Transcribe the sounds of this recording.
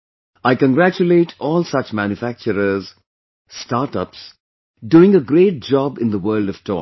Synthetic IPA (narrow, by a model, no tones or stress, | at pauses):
aɪkə̃nɡɾæt͡ʃuleːʈʰɔːlˠsʌt͡ʃmæ̃njʊfæk̚t͡ʃəɾəz | sʈaːɾʈʌps | ɖuːɪ̃ŋəɡɾeːʈ̚d͡ʒɔbɪ̃nd̪əwɜːldʌv̥ʈʰɔ̰